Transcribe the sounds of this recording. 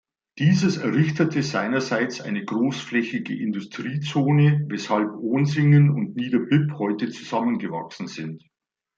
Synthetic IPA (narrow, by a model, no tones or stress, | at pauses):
d̥iːzəsɛɐʁɪçtətʰəzaɪnɐzaɪt͡sʔa̰ɪnəɡʁoːsflɛçɪɡə̰ʔɪndʊstʁ̥iːt͡soːnəvɛshalpʔoːnzɪŋənʊntniːdɐpɪphɔʏtət͡suzamənɡəva̰ksn̩zɪnt